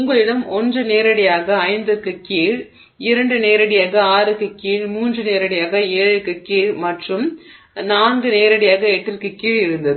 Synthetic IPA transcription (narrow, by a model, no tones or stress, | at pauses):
ʊŋɡɐɭɪɽɐmɔndrɯneːɾɐɽɪjaːɣɐːɪnd̪ɯrkːɯkiːɻ | ɪɾɐɳɖɯneːɾɐɽɪjaːɣɐaːɾɯkːɯkiːɻmuːndrɯneːɾɐɽɪjaːɣɐeːɻɯkːɯkiːɻmɐʈrɯm | naːnɡɯneːɾɐɽɪjaːɣɐɛʈːɪɾkɯkːiːɻɪɾɯnd̪ɐðɯ